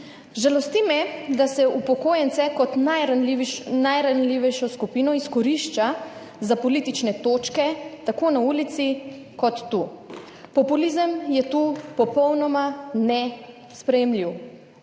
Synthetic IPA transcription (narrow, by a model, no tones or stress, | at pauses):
ʒalɔst̪imɛd̪asɛupɔkoːjɛnsɛkɔt̪najɾaninajɾanliːʋɛjʃɔskupiːnɔiskɔɾiʃt͡ʃa | zapɔlit̪it͡ʃnɛt̪oːt͡ʃkɛt̪akoːnauːlit̪si | kɔt̪ːu | pɔpulizəmjɛt̪upɔpɔwnɔmanɛ | spɾɛjɛmliw